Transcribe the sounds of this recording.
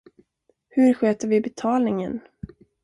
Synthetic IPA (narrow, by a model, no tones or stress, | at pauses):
hɵɾɧøːt̪əɾvɪbɛt̪ʰɑːlnɪŋən